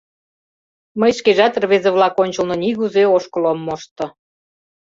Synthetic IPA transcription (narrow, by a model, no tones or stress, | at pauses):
məjʃkeʒɑt̪rβezeβlɑkonʲt͡ɕə̆lnŏniɣuzeoʃkolomːoʃt̪ŏ